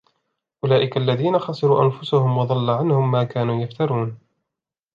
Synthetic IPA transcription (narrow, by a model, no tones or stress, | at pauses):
ʔʊlaːʔɪkalːaðiːnaxɑsˤɨɾuːʔanfʊsʊhʊmwɑðˤɑlːaʕanhʊmːaːkaːnuːjaft̪ɑɾˤuːn